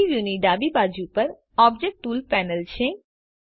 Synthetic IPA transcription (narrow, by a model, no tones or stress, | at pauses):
iʋjuniɖaːbibaːd͡ʒupəɾ | ɔːb̚d͡ʒek̚ʈʈːuːlpɛːnəlt͡ɕʰe